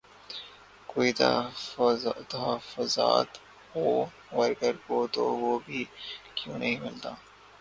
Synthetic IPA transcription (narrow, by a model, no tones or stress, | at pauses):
koːit̪ | t̪ɐɦəfʊza̰ːt̪ | ɦoː | ʋɐɾɡəɾkot̪o̰ʋoːbʱiːkjũːnʔɐɦĩmɪlt̪aː